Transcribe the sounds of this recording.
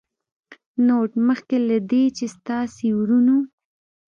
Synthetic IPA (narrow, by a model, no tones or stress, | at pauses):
noʈməxkelad̪et͡ʃest̪ɑsewɾunu